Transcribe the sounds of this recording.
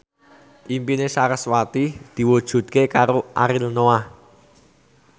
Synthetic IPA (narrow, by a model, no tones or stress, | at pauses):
ʔimpinesaɾəswat̪id̪̥i̤wud̥ʒ̥ṳt̪̚kekaɾoʔaɾilnoa